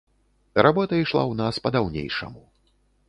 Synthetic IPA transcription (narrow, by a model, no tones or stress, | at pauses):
ɾabɔt̪ɐiʂlˠa̰wnaspɐd̪awnʲḛjʂɐ̰mu